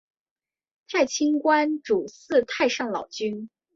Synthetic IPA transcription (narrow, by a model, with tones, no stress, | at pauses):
t̪ʰa˥˩ɪt͡ɕʰi˥nkwa˥nʈ͡ʂu˨˩sɹ̩˥˧t̪ʰa˥˧ɪʂɑ˥˩ŋlɑ̰˨˩ʊt͡ɕy˥n